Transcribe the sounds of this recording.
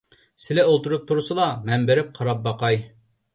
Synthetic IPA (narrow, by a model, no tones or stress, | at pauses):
sɪlɛolˠt̪uɾup̚t̪ʰuɾsɨlˠɑmɛmbeɾɪp̚qʰɑɾɑp̚bɑqɑj